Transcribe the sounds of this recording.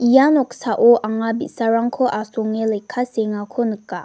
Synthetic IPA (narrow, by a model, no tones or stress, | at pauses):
ijanɔk̚saʔɔʔaŋabitsaɾaŋkʰɔʔasɔŋelejkʰːaseŋakʰɔnɯkːa̰